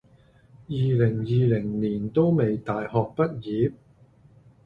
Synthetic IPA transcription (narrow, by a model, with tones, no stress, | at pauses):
jiː˨lɪ˨˩ŋjiː˨˧lɪ˨˩ŋniː˨˩nt̪o˥wme˨jt̪aː˨jhɔː˨k̚pɐ˥t̚jiː˨˥p̚